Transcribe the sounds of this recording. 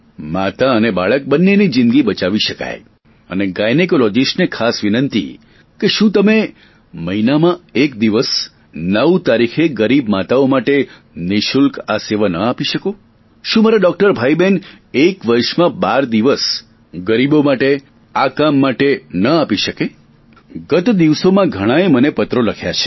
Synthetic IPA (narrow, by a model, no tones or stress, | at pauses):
mat̪aənebaɭək̚bənːenid͡ʒɪ̃nɡibət͡ʃaʋiʃəka̰j | ə̰neɡajnekolɔd͡ʒisʈnekʰasʋinənt̪ḭ | keʃũt̪əme | məinamãek̚d̪iʋəs | nəʋt̪aɾikʰeɡəɾibmat̪aomaʈe | niʃulkaseʋanəapiʃəko | ʃũmaɾaɖɔk̚ʈəɾbʱaiben | ekʋəɾʃmãbaɾd̪iʋəs | ɡəɾibomaʈe | akamːaʈenəapiʃəke | ɡət̪d̪iʋsomãɡʱəɽ̃ãemənepət̪ɾoləkʰjat͡ʃʰe̥